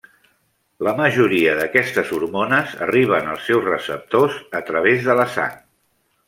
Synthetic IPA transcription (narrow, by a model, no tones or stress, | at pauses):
ləməʒuɾiəðəkɛst̪əzuɾmonəzə̰riβ̞ənə̰lˠsːɛwzrəsəp̚t̪ozət̪ɾəβ̞ezðələsa̰ŋ